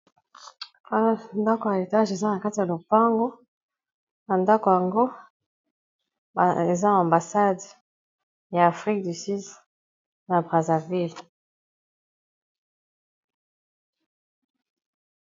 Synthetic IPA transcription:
a˦nda˦ko˨ja˨e˨ta˦ʒe˨za˦na˨ka˦ti˨ja˨lo˨pa˦ŋɡo˦ | na˨nda˦ko˨ja˨ŋɡo˦˨ | e˨za˦˨ã˨mba˨sa˦d | ja˨a˨fʁi˦k̚dy˨sy˦d | na˨bʁa˨za˨vi˦l

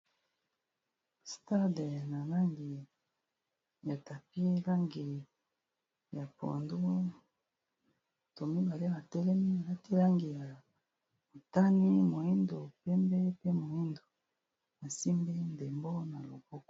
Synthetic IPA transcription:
sta˦dna˨la˦ŋɡi˨ | ja˨ta˨pi˦la˦ŋɡi˨ | ja˨po̰˨ndo˦˨ | to˨mi˦ba˨le˦ba˨tɛ˦lɛ˦mi˦a˨la˦ti˦la˦ŋɡi˨ja˨ | o˨ta˦ni˦mo˨i˦ndo˨pɛ˦mbɛ˦pe˦mo˨i˦ndo˨ | na˨si˦mbe˦nde˨mbo˦na˨lo˨bɔ˦kɔ̥˨

